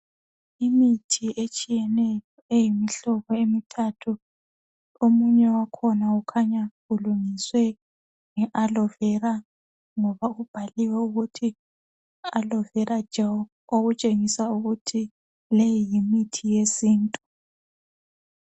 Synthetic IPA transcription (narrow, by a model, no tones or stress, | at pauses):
imitʰiʔet͡ʃʼijɛnɛjɔejimiɬɔβɔemitʰatʰu | omuɲɛwakʰɔnaukʰaɲaɣuluŋiswɛ | ŋɛʔalɔvɛra | ŋɔβaɣub̥ʱaliwɛuɣutʰi | alɔvɛɾḁd͡ʒ̥ʱaw | oɣut͡ʃʼeŋisauɣutʰi | lejijimitʰijesiːntʼu